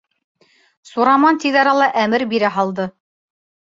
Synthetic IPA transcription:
suɾɑmɑnt̪iðɑɾɑlˠɑʔæmɘɾbiɾæɦɑlˠd̪ɤ

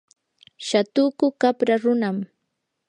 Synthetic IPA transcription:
ʃat̪ʊkʊkapɾaɾʊnam

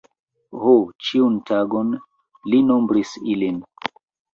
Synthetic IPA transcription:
hot͡ʃiuntaɡon | lino̞mbɾisilin

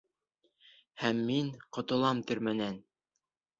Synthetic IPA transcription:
hæmːiŋqŏt̪ɤ̆lˠɑmt̪ɵ̆ɾmænæn

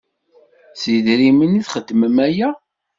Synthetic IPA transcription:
siðɾiməniθχəd̪ːməmæjæ

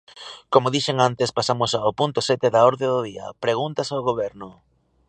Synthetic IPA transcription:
komʊðiʃeŋant̪espasamʊsaʊpunt̪ʊsɛt̪eðaoɾðeðʊðiɐ̰pɾeɣ̞unt̪ɐsaʊɣoβ̞ɛɾnʊ

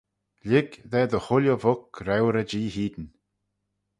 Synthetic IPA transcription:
lɪɡðɛːd̪əxʊljəvʊkɾɛwɾəd͡ʒiːhiːd̪ən

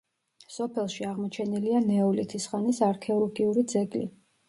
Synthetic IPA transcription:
sɔpʰɛlˠʃiaʁmɔt͡ʃʰɛnilianɛɔlit̪ʰisχanisaɾkʰɛɔlˠɡiuɾid̪zɛɡʼlḭ

